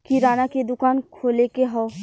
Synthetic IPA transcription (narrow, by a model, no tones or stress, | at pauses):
kiɾaːnaked̪ʊkaːnkʰoːlekeɦɔː